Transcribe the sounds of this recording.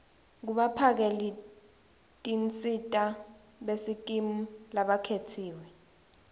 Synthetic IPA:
k̬uɓapʰak̬eli | tʼint͡sʼitʼa | ɓesik̬ʼimulaɓakʰetʰiːwɛ

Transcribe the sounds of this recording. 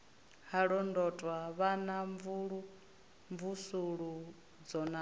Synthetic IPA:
haɺɔndɔtʼwaβanaɱvuɺu | ɱvusuɺu | d͡zɔna

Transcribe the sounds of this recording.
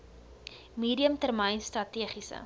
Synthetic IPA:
miːdiəmtərməjnstrɐtiəχisə̰

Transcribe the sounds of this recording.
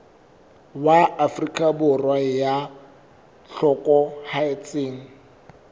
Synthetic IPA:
waafrikʼabʊrwaja | ɬɔkʼɔhaɪt͡sʼɪŋ̩

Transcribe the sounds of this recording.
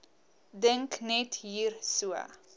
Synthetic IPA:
dəŋknɛtɦiːrsuə̰

